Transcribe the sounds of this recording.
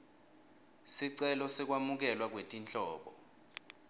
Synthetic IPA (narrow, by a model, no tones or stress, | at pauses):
siǀɛlɔsɛk̬wamuk̬ɛlwak̬wetʼint͡ɬʼɔːɓɔ